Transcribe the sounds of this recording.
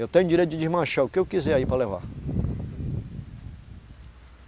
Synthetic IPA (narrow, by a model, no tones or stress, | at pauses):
ewt̪ẽɲʊd͡ʒiɾejt̪ʊd͡ʒɪd͡ʒimaʃaʊkɪewkizɛaipɾɐleva̰